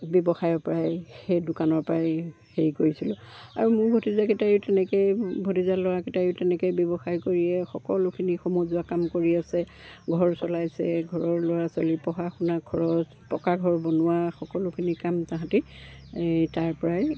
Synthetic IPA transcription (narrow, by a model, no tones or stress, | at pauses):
bɔbɔxajɔɹpɔɹajxejdʊkanɔɹpɹaj | xeɹikoɹisilʊa̰ɹumʊɹbʱotizaketajʊtɛnɛkejbʱotizalɔwaketajʊtɛnɛkojbjɔbɔxajkoɹiɛxɔkɔlʊkʰinixomɔzʊakamkoɹiasɛ | ɡʱɔɹsɔlajsɛɡʱɔɹɔɹlɔwasɔlipɔɦaxunakʰɔɹɔs | pɔkaɡʱɔɹbɔnʊwaxɔkɔlʊkʰinikamtãɦãti | taɹpɔɹaj